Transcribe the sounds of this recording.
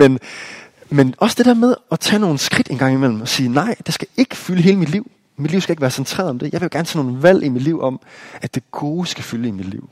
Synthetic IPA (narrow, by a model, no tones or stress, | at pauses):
men | menʔɒ̽sə̥d̥e̝d̥eɐmeð̞ˠɒ̽t͡sʰɛ̰no̝ːn̩sɡ̥ʁid̥e̝nɡ̥ɑ̈ŋ̰imel̰m̩ɒ̽siːnɑ̈ɪ̰d̥e̝sɡ̥æe̝ɡ̥əfyləɦe̝ːləmid̥liʊ̰ | mid̥liʊ̰sɡ̥æeɡ̥ʋæːɐsent͡sʰʁɛ̰ːɐðˠɒmd̥e̝jɑ̈ɪʋejo̥æɐnt͡sʰɛ̰ːnoːn̩ʋæl̰ʔimid̥liʊʔɒ̽mæd̥e̝ɡ̥o̝ːsɡ̥æfyləimid̥lḭʊ̰